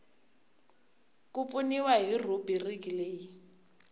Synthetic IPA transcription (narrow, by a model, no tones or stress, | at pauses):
kup̪funiwaɦirubirikileːji